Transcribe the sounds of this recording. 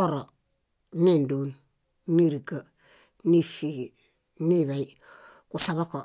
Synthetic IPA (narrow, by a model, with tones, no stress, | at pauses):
o˦ɾo | ni˦ndon | ni˦ɾiɡa˨ | ni˦fi | ni˦βa˨j | kusaβo˦ko